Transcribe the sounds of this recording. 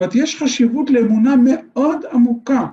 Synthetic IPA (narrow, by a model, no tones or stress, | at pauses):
at̪jeʃχaʃivut̪leːmunameo̞d̪amuka